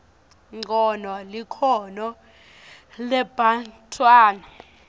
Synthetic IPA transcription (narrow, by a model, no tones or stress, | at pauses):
ŋ͡ǀɔnɔlikʰɔnɔ | lɛb̥ʱantʼʰwaːna